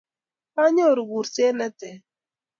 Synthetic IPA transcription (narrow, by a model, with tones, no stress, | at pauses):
pa˦ɲo˦˨ɾɡu˨ɾse˦nɛ˦t̪ɛ˨